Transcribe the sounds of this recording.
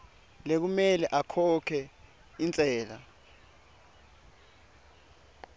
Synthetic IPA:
lek̬umɛlɛʔakʰɔkʰɛ | int͡sʼɛːla̰

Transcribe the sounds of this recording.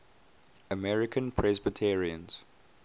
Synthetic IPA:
əmɛɹɪkʰə̃npʰɹɛzbətʰɛɹiə̃nz̥

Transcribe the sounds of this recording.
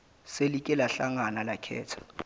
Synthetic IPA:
selikʼɛlaɬaŋanalakʰɛ̰ːtʰḁ

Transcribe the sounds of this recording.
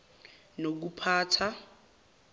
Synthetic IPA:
nok̬upʰaːtʰa

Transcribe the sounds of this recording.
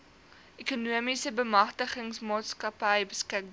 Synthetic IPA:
ʔekunuəmisəbəmɐχtəχəŋsmɑːtskɐpəjbəskək̚b

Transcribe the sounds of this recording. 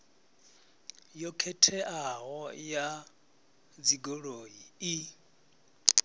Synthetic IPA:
jɔkʰetʰɛʔaɣɔja | d͡ziɡoɺoii

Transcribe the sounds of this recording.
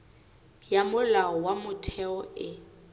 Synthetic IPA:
jamʊlaɔwamʊtʰɛɔɪ

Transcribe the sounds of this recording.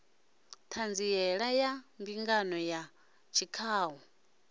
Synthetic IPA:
tʰand͡ziɛɺajambiŋɡanɔja | t͡ʃʰikʰaːɦɔ

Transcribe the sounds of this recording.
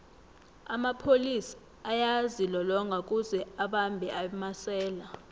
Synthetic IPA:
amapʰolisḁ | ajazilɔlɔŋɡʱak̬ʼuzɛaɓambʱɛʔamasɛːla

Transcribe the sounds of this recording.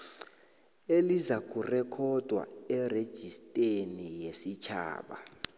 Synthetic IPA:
elizak̬ʼurɛkʰɔd̥ʱwa̰ɛred̥ʒ̥ʱistʼenijesit͡ʃʰa̰ːɓa̰

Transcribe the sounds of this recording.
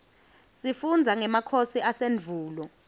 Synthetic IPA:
sifund͡zʱaŋɛmakʰosiaseɱvʱuːlɔ

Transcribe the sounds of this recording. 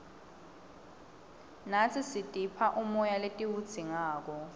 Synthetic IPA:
nat͡sʰisitʼipʰaʔumɔjaletʼiwud̥z̥ʱiŋaːk̬ɔ

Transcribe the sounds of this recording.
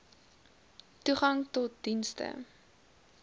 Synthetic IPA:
tuχɐŋtɔt̚dinstə̰

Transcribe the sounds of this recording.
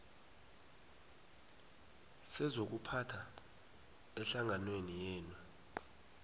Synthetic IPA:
sɛzok̬upʰatʰa | ɛɬaŋanwenijɛːnwa

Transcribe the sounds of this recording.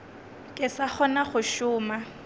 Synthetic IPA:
kʼɪsaχɔnaχʊʃʊːma

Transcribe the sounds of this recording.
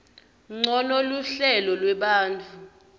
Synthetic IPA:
ŋ͡ǀɔnoluɬɛlɔlwɛɓaːnt͡fʰu

